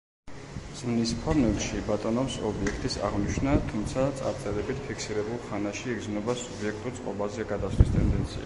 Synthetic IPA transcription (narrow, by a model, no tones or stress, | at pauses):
z̥mnispʰɔɾnɛlˠʃibat̪ʼɔnɔpsɔbiɛkʰt̪ʼisa̰ʁniʃʰnat̪ʰumt̪sʰat̪sʼa̰ɾt̪sʼɛɾɛbit̪ʰpʰikʰsiɾɛbulˠχanaʃiːɡznɔbasubiɛk̚ʰt̪ʼuɾt̪sʼqʼɔbazɛaɡad̪asvist̪ʼɛnd̪ɛnt̪sʰḭa̰